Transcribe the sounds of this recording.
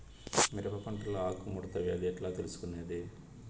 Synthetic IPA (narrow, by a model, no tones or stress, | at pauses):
miɾɐpɐpɐɳʈuloaːkumuɽɐt̪ɐɡeːd̪iɛʈlaːt̪elusu̥kuneːd̪i